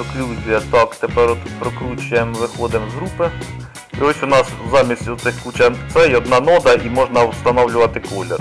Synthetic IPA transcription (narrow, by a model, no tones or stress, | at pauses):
ɔklʲuzʲijɐt̪ɑkt̪epɛɾɔt̪pɾɔkɾut͡ʃʊjemʋɪxɔd̪ɪmzɦɾupɪ | iɔsʲʊnɑszɑmʲisʲtʲʊt̪sɪxkut͡ʃɐt̪sɛjɔd̪nɑnɔd̪ɐimɔʒnɐwst̪ɐnɔwlʲʊʋɐt̪ɪkɔlʲer